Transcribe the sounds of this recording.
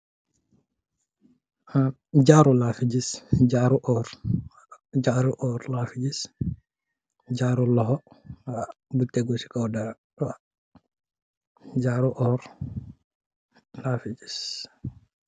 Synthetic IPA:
a | d͡ʒaːɾulaːfid͡ʒisd͡ʒaɾuʔɔːɾ | d͡ʒaːɾuʔɔːɾlafid͡ʒis | d͡ʒaːɾulɔɦɔabutːɛɡosi̥kɔwda | wa | d͡ʒaːɾuʔɔːɾ | laːfid͡ʒis

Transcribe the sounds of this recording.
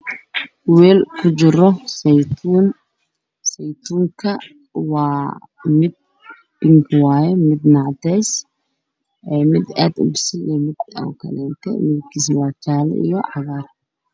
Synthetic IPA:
wɛːlkʰʊt͡ʃɪɾɔst̪ʰun | sɛjt̪ʰuːŋkʰɐ | wɑː | mɪd̪̚ | b̥ɪŋkʰwɑːjɛmɪd̪nɑʕd̪ɛjs | ɛːmɪd̪a̰ːd̪ʊbsɪlimɪd̪ɐ̰kʰɐ̰lɛːnt̪ʰɛ̰mɪkʰiswɑːt͡ʃaːlɛ̰ḭjɔʕɑɣaːr

